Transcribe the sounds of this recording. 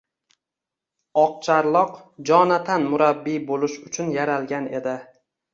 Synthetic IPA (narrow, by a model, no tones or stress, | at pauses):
ɒq̚t͡ʃʰaɾlˠɒqd͡ʒɒnat̪ʰanmʊɾabːibolɪʃʊt͡ʃʰʊnjaɾalˠɡʲane̞d̪ɪ